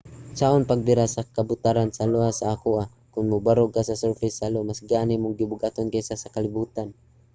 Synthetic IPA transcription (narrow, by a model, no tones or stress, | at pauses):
saʔonpɐɡ̚b̪ɪɾasɐkɐbʊt̪aɾansɐloasaʔakuʔa | kʊnmʊbaɾokasɐsɛɹfɪsalomasɡaːnɪmʊŋɡɪbʊɡat̪onkasasɐkɐlɪbuːt̪an